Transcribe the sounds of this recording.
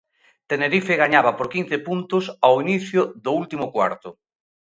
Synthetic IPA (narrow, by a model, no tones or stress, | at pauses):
t̪eneɾifɪɣaɲaβɐpoɾkin̟θepunt̪ʊsawiniθjʊðʊult̪imʊkwa̰ɾt̪ʊ